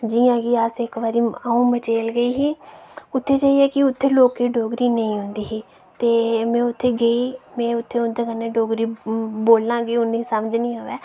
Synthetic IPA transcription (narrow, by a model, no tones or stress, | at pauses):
d͡ʒiːãːɡiːasɪkʋaːɾiːaũːmət͡ʃeːlɡəiːɦiːʊt̪ʰːeːt͡ʃaːiːɛːkɪʊt̪ʰːeːloːkeːɖoːɡɾiːnəĩːɦʊ̃nd̪iːɦiː | t̪eːmɛ̃ːʊt̪ʰːeːɡəiːmɛ̃ːʊt̪ʰːeːʊnd̪eːkənːeːɖoːɡɾiːboːlnãːɡiːʊnĩːsəmd͡ʒnĩːoːʋɛː